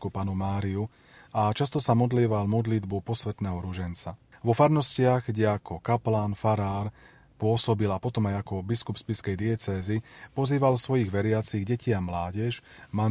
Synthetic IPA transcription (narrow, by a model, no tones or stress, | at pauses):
kupaːnumaːɾiu | at͡ʃast̪ɔsamɔd̪liːʋalmɔd̪lid̪bupɔsʋɛt̪nɛːɦɔɾuʒɛnt͡saʋɔfaɾmnɔscɪaɣɡɟɛakʰɔkaplaːnfaɾaːɾ | pʊɔsɔbilapɔt̪ɔmajakɔbiskupspiskɛjd̪iɛt͡sɛːzipɔziːʋalsʋɔjiɣʋɛɾɪat͡siɣɟɛciamlaːɟɛʃma